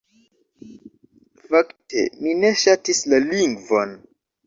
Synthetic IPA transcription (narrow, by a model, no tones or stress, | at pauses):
faktʰḛmine̞ʃatislaliŋɡvo̞n